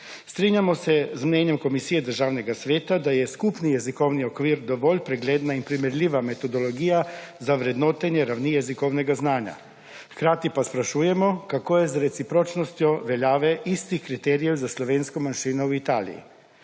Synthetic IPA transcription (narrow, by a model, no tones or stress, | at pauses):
st̪ɾiːɲjamɔsɛzmnɛnjɛmkomisiːjɛd̪əɾʒaːwnɛɡasʋeːt̪ad̪ajɛskupnijɛzikowniɔkʋiːɾd̪ɔʋɔlʲpɾɛɡleːd̪nainpɾimɛɾlʲiːʋamet̪ɔd̪olɔɡiːjazaʋɾɛd̪noːt̪ɛnjɛɾawnijɛzikɔwnɛɡaznaːɲja̰ | xkɾaːt̪ipaspɾaʃuːjɛmɔkakoːjɛzɾɛt̪sipɾoːt͡ʃnɔst̪jɔʋɛljaːʋɛʔist̪ixkɾit̪ɛːɾijɛwzaslɔʋeːnskɔmanʃiːnɔuit̪aːlḭjḭ